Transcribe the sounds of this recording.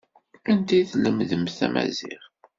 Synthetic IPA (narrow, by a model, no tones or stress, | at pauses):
ænt̪iθləmðəmθæmæ̰ziʁ